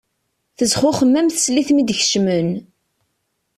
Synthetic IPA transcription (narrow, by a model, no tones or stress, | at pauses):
θəzχʊχəmːæmθə̥sliθmid̪çʃmən